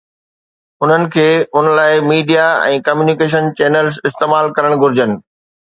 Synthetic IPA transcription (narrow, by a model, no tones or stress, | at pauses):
ʊn̤ənɪ̆kʰeːʊnlaːɪmiːɖijaɛ̰̃ːkɐmjuːnikeːʃ̬ənt͡ɕeːnəlzɪst̪eːmaːlkɐɾəɽ̃ɡʱʊɾɪd͡ʑənɪ̆